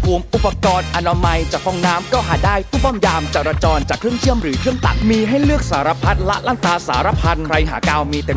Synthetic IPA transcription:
pʰuː˧˩əmʔu˨˩pːa˧kɔː˧nʔʔa˧naː˧ma˧jt͡ɕa˨˩k̚fɔ˧˩ŋnaː˦˥mkɔː˥˩ɦaː˨˩daː˥˩jpʰuː˥˩bɔː˥˩mjaː˧mt͡ɕa˨˩ɾaː˧t͡ɕɔː˧nt͡ɕaː˨˩kʰːɾɯ˥˩əŋtʰɯ˥˩əmɾɯː˩˦k̪ʰɯ˥˩əŋt̪a̰˨˩t̪̚miː˧ɦa˥˩jlɯ˥˩ək̚saː˩˦ɾa˧pʰa˦˥t̪̚la̰˦˥ʔlaː˥˩ŋt̪aː˧saː˩˦ɾa˧pʰa˧nkʰɾa˧jɦa̰ː˩˦kaː˧wmiː˧t̪e˧

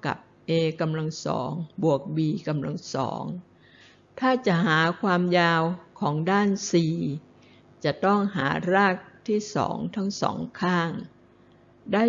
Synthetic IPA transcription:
ka̰˨˩p̚ʔeː˧ka˧mla˧ŋsɔ̰ː˩˦ŋbu˨˩ək̚biː˧ka˧mla˧ŋsɔ̰ː˩˦ŋ | t̪ʰaː˥˩t͡ɕa˨˩ɦaː˩˦kʰwaː˧mjaː˧wkʰɔː˩˦ŋdaː˥˩nsiː˨˧ | t͡ɕa˨˩t̪ɔ˥˩ŋɦa̰ː˩˦ɾaː˥˩k̚t̪ʰiː˥˩sɔ̰ː˩˦ŋt̪ʰa˦˥ŋsɔ̰ː˩˦ŋkʰaː˥˩ŋ | daː˥˩

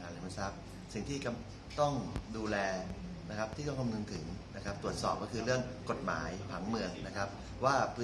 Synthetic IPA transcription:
aː˨˩˦la˨˩ma˧˩sa˦˥p̚ | si˨˩ŋt̪ʰiː˥˩ka˧m | t̪ɔ˥˩ŋduː˧lɛː˧ | na˦˥kʰa˦˥p̚t̪ʰiː˥˩t̪ɔ˥˩ŋka˧mnu˧nt̪ʰɯ˩˦ŋna˦˥kʰa˦˥p̚t̪ɾu˨˩ət̪̚sɔ̰ː˨˩p̚kɔ˥˩kʰɯː˧ɾɯ˥˩əŋko˨˩t̪̚ma̰ː˩˦jpʰa˩˦ŋmɯ˧˩əŋna˦˥kʰa˦˥p̚ | waː˥˩pʰɯː˦˥

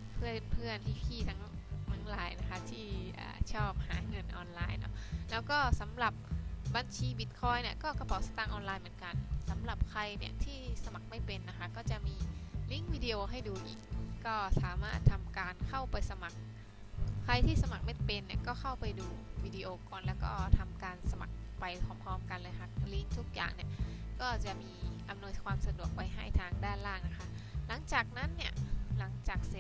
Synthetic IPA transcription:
pʰɯ˥˩ənpʰɯ˥˩ənhiː˥˩pʰiː˥˩t̪ʰa˦˥ŋt̪ʰa˦˥ŋla̰ː˨˦jna˦˥kʰa˦˥t̪ʰiː˥˩ʔa̰ː˨˩t͡ɕʰɔː˥˩p̚haː˩˦ŋɤ˧nʔɔː˧nlaː˧jnɔ̰˦˥lɛː˦˥wkɔː˥˩sa˩˦mɾa˨˩p̚ba˧nt͡ɕʰiː˧bi˨˩t̪̚kʰɔː˧jni˥˩ɐkɔː˥˩kpʰaː˨˩˦sa˧˦t̪aː˧˩ŋʔɔː˧nlaː˧jmɯ˩˦ənka˧nsa˩˦mla˨˩p̚kʰa˧jnḭ˦˩ɐt̪ʰiː˥˩sa˧ma˨˩k̚ma˥˩jpe˧nːa˦˥kʰa˦˥kɔː˥˩t͡ɕa˨˩ʔmiː˧li˦˥ŋwiː˧di˧ʔoː˧ɦa˥˩jduː˧ʔḭː˨˩k̚kɔː˥˩saː˨˩˦maː˥˩t̪ʰːa˧mkaː˧nkʰa˥˩wpa˧jsa˧ma˨˩k̚ʰː | a˧jt̪ʰiː˥˩sa˧ma˨˩k̚ma˥˩jpe˧nːi˥˩ɐkɔː˥˩xʰa˥˩wpa˧jduː˧wiː˧di˧ʔoː˧kɔː˧˩nlɛː˦˥˩wkɔ̰ː˥˩t̪ʰa˧mkaː˧nsa˧ma̰˨˩k̚pa˧jpʰɔ˨˦mpʰɔː˧mka˧nlɤː˧jɦa˧˥˩k̚li˦˥˩ŋt̪ʰu˦˥k̚ja̰ː˨˩ŋni˧˩ɐkɔː˥˩t͡ɕa˨˩ʔmiː˧ʔa˧mnu˧əjkʰwaː˧msa˧du˨˩ək̚wa˦˥˩jɦa˥˩jt̪ʰaː˧ŋdaː˥˩nlaː˥˩ŋna˦˥kʰa˦˥la˨˦ŋt͡ɕaː˨˩k̚na˦˥˨nːi˥˩ɐla˩˦ŋt͡ɕaː˨˩k̚si˨˩˦

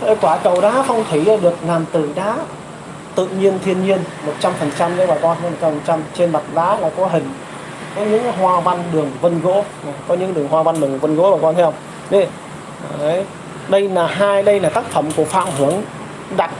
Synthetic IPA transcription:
ə˧˩kwaː˧˩kə˨˩wɗaː˨˦fɔ˧wŋ͡mt̪ʰi˨˦laː˨˩ɗɨ˨˩ək̚laː˨˩mt̪ɨ˧˩ɗaː˨˦ | t̪ɨ̰˧˨ɲi˧ənt̪ʰi˧ənɲi˧ənmo˨˩t̚t͡ɕa˧mfə˨˩nt͡ɕa˧mɲa̰˧˦˥ɓaː˨˩jkɔ˧t̪ʰːmo˨˩t͡ɕa˧mfə˨˩nt͡ɕa˧mt͡ɕe˧nɓa˨˩t̚za̰ː˨˦˥laː˨˩kɔ˨˦ɦï˨˩ŋ̟ | kɔ˨˦ɲɨ̰˧˥ŋɦwaː˧va˧nɗɨ˨˩əŋvə˧nɣo̰˧˥ | a˨˩kɔ˨˦ɲɨ̰˧˥ŋɗɨ˨˩əŋhwaː˧va˧nɗɨ˨˩əŋvə˧nɣo̰˧˥laː˨˩kɔ˧nt̪ʰɛ˧wŋ͡m | ɗe˨˧˦ | ɗə˧jlaː˨˩ɦaː˧jɗə˧jlaː˨˩t̪aː˦˥k̚fə˧˩mku˧˩əfa̰ː˧˨mɦɨ˧˩əŋ | ɗa˨˩t̚

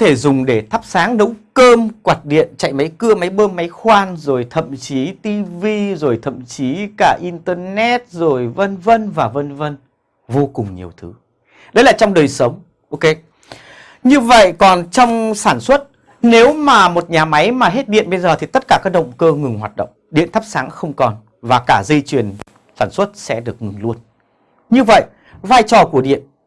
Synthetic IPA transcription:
t̪ʰe˧˩zʊ˨˩ŋ͡mɗe˧˩t̪ʰa˦˥p̚saː˨˦ŋɗə˨˦wŋ͡mkəː˧mkwaː˨˩t̚ɗḭ˧˨ənt͡ɕa̰˧˨jma˨˦jkɨ˧əma˨˦jɓəː˧mːa˨˦jxwaː˧nzo˨˩jt̪ʰə̰˧˨mt͡ɕi˨˦t̪i˧vi˧zo˨˩jt̪ʰə̰˧˨mt͡ɕi˨˦kaː˧˩ʔi˧nt̪əː˧nɛ˦˥t̚zo˨˩jvə˧nvə˧nvaː˨˩və˧nvə˧n | vo˧kʊ˨˩ŋ͡mɲi˨˩əwt̪ʰɨ˨˦ | ɗə˨˦jlaː˨˩t͡ɕɔ˧wŋ͡mɗəː˨˩jsə˨˦wŋ͡m | ʔo˧wke˧ | ɲɨ˧və̰˧˨jkɔ˨˩nt͡ɕɔ˧wŋ͡msaː˧˩nswə˦˥t̚ | ne˨˦wmaː˨˩mo˨˩t̚ɲaː˨˩ma˨˦jmaː˨˩ɦe˦˥t̚ɗḭ˧˨ənɓə˧jzəː˨˩t̪ʰi˨˩t̪ə˦˥t̚kaː˧˩kaː˦˥k̚ɗə̰˧˨wŋ͡mkəː˧ŋɨ˨˩ŋɦwaː˨˩t̚ɗə̰˧˨wŋ͡mɗḭ˧˨ənt̪ə˦˥p̚saː˨˦ŋxə˧wŋ͡mkɔ˨˩n | vaː˨˩kaː˧˩zə˧jt͡ɕwi˨˩ən | saː˧˩nswə˦˥t̚sɛ̰˧˥ɗɨ˨˩ək̚ŋɨ˨˩ŋlu˧ən | ɲɨ˧və̰˧˨j | vaː˧jt͡ɕɔ˨˩ku˧˩əɗḭ˧˨ən

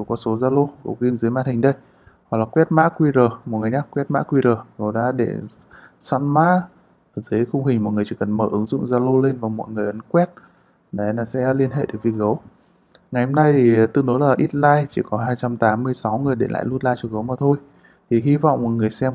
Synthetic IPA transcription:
zo˨˩kɔ˨˦so˨˦zaː˧lo˧ɣə˨˦wki˧əmzɨ˨˦jmaː˧˥t̪hʰi˨˩ŋ̟ɗə˧j | wa˨˩klaː˨˩kwɛ˦˥t̚ma̰ː˧˥kwi˧zəː˨˩mo˨˩t̚ŋɨ˨˩əjɲaː˦˥k̚kwɛ˦˥t̚ma̰ː˧˥kwi˧zəː˨˩ɣə˨˦wɗa̰ː˧˥ɗḛ˧˩ | sa̰˧˥nma̰ː˧˥˨ | zɨː˨˦jxʊ˧wŋ͡mɦï˨˩ŋ̟m˨t̚ŋɨ˨˩əjt͡ɕi˧˨˩kə˨˩nməː˧˩ʔɨ˨˦ŋzʊ̰˧˨ŋ͡mzaː˧lo˧le˧nvaː˨˩wmɔ̰˧˨jŋɨ˨˩əjʔə˨˦nkwɛ˦˥t̚ | ɗe˨˦laː˨˩sɛ̰˧˥li˧ənhɦḛ˧˨ɗe˨˩k̚vi˨˩ək̚ɣə˨˦w | ŋa˨˩jho˧mna˧ji˨˩t̪ɨ̰˧˨no˨˦laː˨˩ʔi˦˥t̚laː˧jt͡ɕi˧˩kɔ˨˦ɦaː˧jt͡ɕa˧mt̪aː˨˦mːɨ˧əjsa˨˦wŋɨ˨˩əjɗḛ˧˩la̰ː˧˨jlu˧nlaː˧jt͡ɕɔ˧˩ɣə˨˦wmaː˨˩t̪ʰo˧j | t̪ʰi˨˩ɦi˧va̰˧˨wŋ͡mmo˨˩t̚ŋɨ˨˩əjsɛ˧m

